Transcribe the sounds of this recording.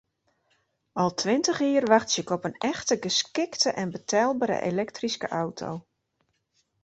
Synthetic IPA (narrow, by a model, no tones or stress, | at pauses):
ɔlˠtʰʋɪntəχiːərʋaxtsɪkɔpənɛxtəɡəskɪktəʔɛnbətʰɛlˠbaɾə̰ʔḛlɛktriskəʔawtʰo̰w